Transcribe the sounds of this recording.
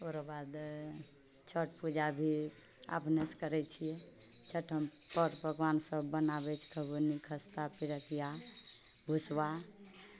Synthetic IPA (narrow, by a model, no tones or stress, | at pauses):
oɾəbad̪ | t͡ʃʰəʈpud͡ʒabʱi | a̰pneskəɾɛt͡ʃʰiɛ | t͡ʃʰəʈʰəm | pəɾbʱəɡwansəbːənabɛt͡ʃʰkʰəbunikʰəst̪apiɾəkija | bʱuswa